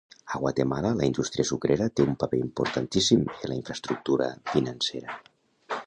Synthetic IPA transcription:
əɣ̞wat̪emalələind̪ust̪ɾiəsukɾeɾət̪eumpapeimpuɾt̪ant̪isimelaiɱfɾəst̪ɾuk̚t̪uɾə̰finanseɾə

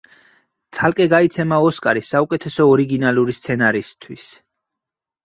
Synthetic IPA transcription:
t̪sʰalˠkʼɛɡait̪sʰɛmaɔskʼaɾisːaukʼɛt̪ʰɛsɔːɾiɡinaluɾist̪sʰɛnaɾist̪ʰwis

